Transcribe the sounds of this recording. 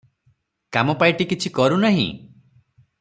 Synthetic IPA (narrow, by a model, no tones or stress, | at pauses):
kamɔpajʈikit͡ʃʰikɔɾunaɦḭ̃